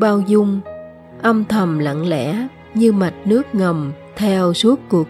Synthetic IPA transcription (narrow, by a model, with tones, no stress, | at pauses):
ɓaː˧wzʊ˧ŋ͡m | ʔə˧mt̪ʰə˨˩mlə̰˧˨ŋlɛ̰˧˥ | ɲɨ˧ma˨˩t̚nɨ˦˥ək̚ŋə˨˩mt̪ʰɛ˧wsu˦˥ət̚kːu˨˩ək